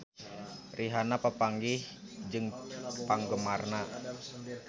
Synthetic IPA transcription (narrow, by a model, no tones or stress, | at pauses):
rʔiɦanapapaŋɡih | d͡ʒɨŋpaŋɡəmarna